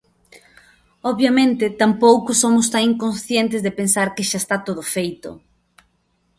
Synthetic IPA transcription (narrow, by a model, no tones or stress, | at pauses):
ɔβjamẽnt̪ɪt̪ampowkʊsomʊst̪aŋiŋkõnsθjent̪ɪzðɪpẽnsaɾkɪʃaest̪at̪oðofejt̪ʊ̰